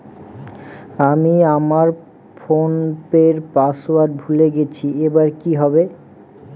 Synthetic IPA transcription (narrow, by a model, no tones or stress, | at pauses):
amiamaɾ | fonpeɾpasowaɾʈ̚bʱuleɡet͡ɕʰiebaɾkiɦɔbe